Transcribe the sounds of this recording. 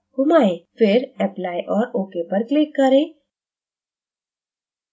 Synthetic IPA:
hʊmaːefɪɾɛːplaːjʔɔːɾoːkepɐɾklɪkːɐɾẽː

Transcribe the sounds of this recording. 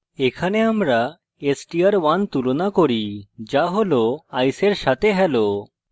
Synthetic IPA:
ekʰaneamɾa | esʈiaɾwant̪ulonakoɾid͡ʒaɦoloajseɾʃat̪eɦɛlo

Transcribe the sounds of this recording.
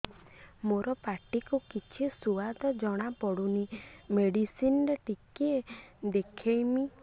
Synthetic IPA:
moɾɔpaʈikukit͡ʃʰisuad̪ʱɔd͡ʒɔɽ̃apɔɽunimeɽisinɾeʈikied̪ekʰejmi

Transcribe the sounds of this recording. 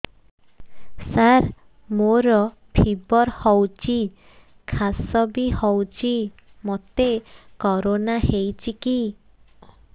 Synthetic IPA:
saɾ | moɾɔ | pʰibɔɾhɔwt͡ʃʰi | kʰasɔbihɔwt͡ʃʰi | mɔt̪ekɔɾonaɦejt͡ʃʰiki

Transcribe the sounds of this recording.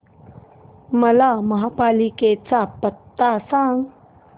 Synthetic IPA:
mɐlamaɦapaliket͡sapːət̪ːasaŋ

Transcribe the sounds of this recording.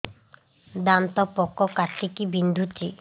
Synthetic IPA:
d̪ant̪ɔpɔkːɔkat̪ikibind̪ʱut͡ʃi

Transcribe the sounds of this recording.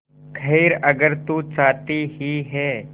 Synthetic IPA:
kʰɐɪɾɐɡəɾt̪ut͡ʃaːt̪iɦiɦɛː

